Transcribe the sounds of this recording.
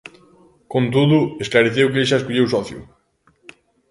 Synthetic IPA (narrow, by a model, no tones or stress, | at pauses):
kõnt̪uðʊesklaɾeθewk̬eʃ̬aeskuʎewsɔθjṵ